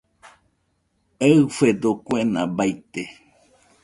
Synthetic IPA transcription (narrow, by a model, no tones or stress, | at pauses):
efed̪okʷenã̰bajt̪e